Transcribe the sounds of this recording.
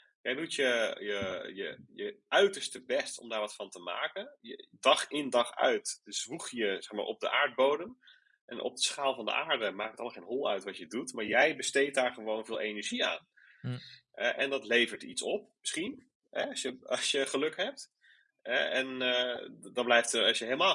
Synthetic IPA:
jɛjdutjəjəjəjəœɥtəɹstəbɛstɔ̰mdaːɹʋɑtfɑntəma̰ːkənjədɑχɪndɑχœ̰ɥtz̥ʋuχjəsɛχma̰ːɹʔɔ̰p̚dəʔaːɹd̚bowdəm | ʔɛ̰nʔɔ̰p̚dəsχaːlˠvɑndə̰ʔaːɹdəmaːkətɑlˠmχenɦɔlˠœ̰ɥtʋɑtjədutmaːɹjɛjbəstejt̚daːɹχəʋownvɪːlˠejnəɹʒia̰ːn | ɛʔɛndɑtlejvəɹtitsɔp̚məsχin | ɦɛɑsjəɑsjəχəlɵkɦɛp̚t | ɛɛn | dɑblɛjftəɑʃjəɦelˠmaː

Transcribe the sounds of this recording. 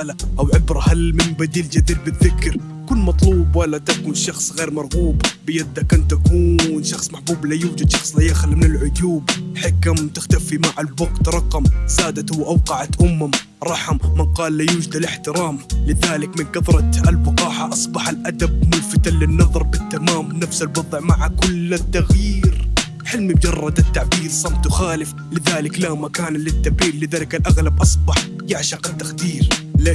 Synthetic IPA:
alaʔawʕɪbɾahalmɪnbad̪iːld͡ʒad̪iːd̪̚bɪðɪkɾ | kʊlːmɑt̪ˤluːbwalːat̪akuːnʃɑxsˤɣeːɾmɑɾˤɣuːbbɪjad̪ːakant̪ːakuːnʃɑxsˤmaħbuːblajuːd͡ʒad̪ʃɑxsˤlajaxlmɪnɪlʕʊd̪uːbħakamt̪ɪxt̪afimaʕalbʊɡt̪ɾˤɑqɑmzaːd̪at̪hʊwːʔawqɑʕat̪ʔʊmːam | ɾˤɑħʊmːɪnqɑːlːajuːd͡ʒad̪alɪħt̪ɪɾɑːmlɪðaːlɪkmɪnɡɑðɾˤɑt̪albɪqɑːħaʔɑsˤbɑħalʔad̪ab̚mʊnfat̪anlɪnːɑðˤɑɾˤbɪt̪ːamaːmnafsalbɑðˤʕmaʕakʊlat̪ːaɣjiːɾ | ħɪlmimʊd͡ʒɑrˤːɑd̪ɪt̪ːaʕbiːlsˤɑmt̪wxaːlɪf | lɪðaːlɪklamakaːnlɪt̪ːabiːlːɪðaːlɪkalʔaɣlabʔɑsˤbɑħ | jaʕʃɑqat̪ːaxd̪iːɾla

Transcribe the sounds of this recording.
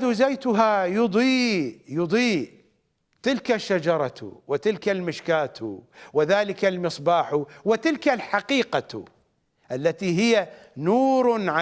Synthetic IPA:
d̪uzajt̪ʊɦajʊd̪ˤiːjʊd̪ˤiːʔ | t̪ɪlkaʃːad͡ʒɑɾˤɑ̰wɪt̪ɪlkalmɪʃkaːt̪ṵwɪðaːlɪkalmɨsˤbaːħuwɪt̪ɪlkalħaqiːqa̰ | ʔalːat̪iɦɪjanuːɾʕa

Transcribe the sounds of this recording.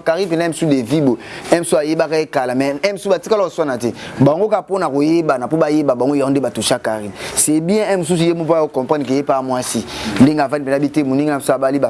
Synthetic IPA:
kaʁipenɛm̩sudevibo | ɛm̩suajebakaekalamɛɛm̩subatikalɔswanatɛbaŋɡokaponakojebanapobajebabaŋɡojandebatuʃakaʁinsɛbiɛ̃ɛmos̬us̬ujemupokɔ̃mpanik̬ejepamwasin̩deŋɡavanipenabitemoniŋɡamsuabaliba

